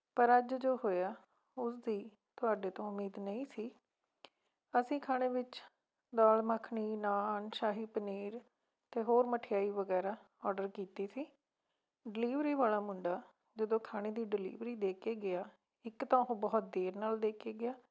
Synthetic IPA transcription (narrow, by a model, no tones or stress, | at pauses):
pəɾəd͡ʒd͡ʒoːɦoːjaː | ʊsd̪iː | t̪ʊaːɖeːt̪õːʊmːiːd̪nəĩːsiː | əsĩːkʰãːeːʋɪt͡ʃ | d̪aːlməkʰɳiːnaːnʃaːɦiːpəniːɾ | t̪eːɦoːɾməʈʰɪjaːiːʋəɡɛːɾaː | ɔːɖəɾkiːt̪eːsiː | ɖɪliːʋɾiːʋaːlaːmʊɳɖaː | d͡ʒəd̪õːkʰaːɽ̃eːd̪iːɖɪlḭːʋɾiːd̪eːkʰeːɡɪaː | ɪkt̪ãːɦoːbɔːt̪̚d̪eːɾnaːld̪eːkʰeːɡɪaː